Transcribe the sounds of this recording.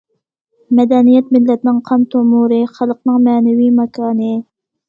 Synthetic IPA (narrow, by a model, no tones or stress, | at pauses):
mɛd̪ɛnijɛt̪mɪlːɛt̪nɪŋqʰɑmt̪ʰomuɾɨχɑlˠəqnɨŋmɛːnɛwijmɑkʰɑːnɨ